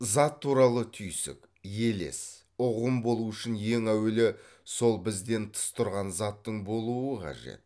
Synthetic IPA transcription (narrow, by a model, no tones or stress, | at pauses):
zɑt̪ʰːuɾɑlˠət̪ʰʏjsɪ̰k | je̞le̞̰s | ʊʁəmbo̞lˠuʏʃɪnje̞ŋæwelɪ | so̞lˠbɪzd̪e̞nt̪ʰə̥st̪ʰʊɾʁɑnzɑt̪ːəɴbo̞lˠuəqʰɑ̰ʒe̞̰t̪̚